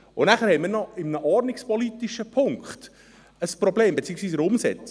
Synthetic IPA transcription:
ʊnæχəɾhɛɪmiːɾnɔɪmənəʔɔɾnɪkspɔliːt̪iʃəpʰʊŋkχt | əspɾɔbleːmbet͡siːəksviːs̬əɾʊmsɛt͡s

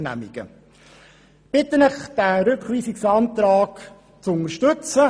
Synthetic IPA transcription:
næ̰miɡ̥ə̰ | b̥ɪt̪ənɪχd̥æɾʏkχʋiːsiksɑnt̪ɾɑːk | t͡sʊnəɾʃtɵt͡sə

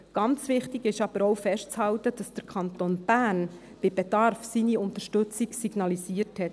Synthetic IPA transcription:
ɡ̥ɑnt͡sʋɪχtiɡɪʃɑb̥əɾɔʊfɛʃtt͡shɑlt̪əd̥ɑsd̥əɾkʰɑnt̪onb̥æn | b̥ɪbɛd̥ɑɾfsiniʊnt̪əʃtɵt͡siɡsiɡnɑlisiːəthɛt

